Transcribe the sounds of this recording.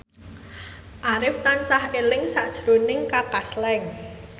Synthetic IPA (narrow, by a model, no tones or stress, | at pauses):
ʔaɾɪft̪ansahelɪŋsaʔd̥ʒ̥ɾonɪŋkapaslɛŋ